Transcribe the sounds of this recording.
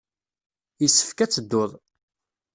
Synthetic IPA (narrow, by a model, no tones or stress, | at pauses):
jəsːə̥fkæt͡sːəd̪ːʊðˤ